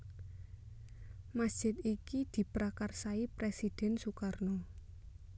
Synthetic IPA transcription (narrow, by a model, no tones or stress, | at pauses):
masd̥ʒ̥ɪt̪ikid̪̥i̤pɾakarsaipɾesid̪̥ɛnsukarnɔ